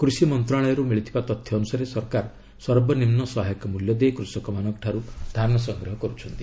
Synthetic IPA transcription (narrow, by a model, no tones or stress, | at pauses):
kɾusimɔnt̪ɾaɭɔjɔɾumiɭit̪ʰibat̪ɔt̪ʰjɔːnusaɾesɔɾkaɾɔ | sɔɾbɔnimnɔsɔɦajɔkɔmuljɔd̪eekɾusɔkɔmanɔkɔʈʰaɾud̪ʱaɾɔɳɔs̬ɔŋɡɾɔɦɔkɔɾut͡ʃʰɔnt̪i